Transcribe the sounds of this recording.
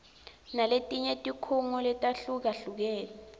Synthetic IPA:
naletʼiɲetʼikʰuŋɔlɛtʼaɬuk̬aɬuk̬ɛːlɛ

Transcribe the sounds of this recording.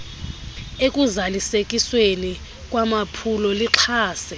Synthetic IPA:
ekʼuzalisekʼisweli | kʼwamapʰulɔliǁʰaːsɛ

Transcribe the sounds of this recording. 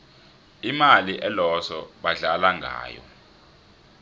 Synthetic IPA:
imaliʔɛlɔsɔɓaɮalaŋɡʱa̰ːjɔ̰

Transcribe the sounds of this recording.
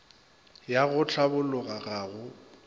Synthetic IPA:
jaɣʊt͡ɬʰabʊlʊɣaɣaːɣʊ

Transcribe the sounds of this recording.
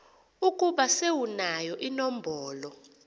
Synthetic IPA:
ukʼuɓasewunajɔʔinɔm̩bʱɔːlɔ

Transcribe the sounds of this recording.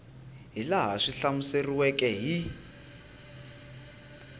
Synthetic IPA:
ɦilaɦaʂiɬamuseriwɛkʼɛɦi

